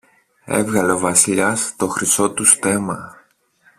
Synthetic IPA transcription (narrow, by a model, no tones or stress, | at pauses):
ḛvɣɐleovɐsiʎɐst̪o̞xɾiso̞t̪ust̪e̞mɐ